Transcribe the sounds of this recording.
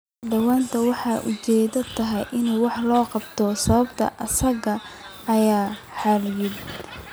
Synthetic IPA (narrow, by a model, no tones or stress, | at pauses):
ɖɐwaːnt̪ʰɐwɑħɑːʔʊt͡ʃɛːðɐt̪ʰɐɦɛ̰jʔɪnuːwɑħlɔːqɑbt̪ʰɔsɐβɐbt̪ʰɐ̰ʔɐsɐɣɐ | ɐjaːħɑljɪd̪